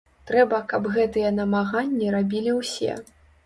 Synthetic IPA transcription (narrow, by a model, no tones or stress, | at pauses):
t̪ɾɛbɐkɐbɣɛt̪ɨjɛnɐmaɣanʲːiɾabʲilʲiwsʲɛ̰